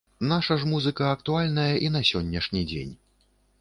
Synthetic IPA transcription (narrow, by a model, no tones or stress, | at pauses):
naʂɐʐmuzɨkɐːkt̪ualʲnɐjɐʔinɐsʲɔnʲːɐʂnʲid͡zʲḛnʲ